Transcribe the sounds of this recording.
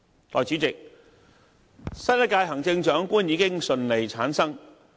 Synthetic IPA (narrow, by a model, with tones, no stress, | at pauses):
t̪ɔ̰ː˨˩jt͡syː˨˥t͡sɪ˨k̚ | sɐ˥jlɐ˥kaː˧jɦɐ˨˩ŋt͡sɪ˧ŋt͡ʃœː˨˥ŋkuː˥njiː˨˧kɪ˥ŋsɵ˧nle˨˩jt͡sʰaː˨˥nsɐ˥ŋ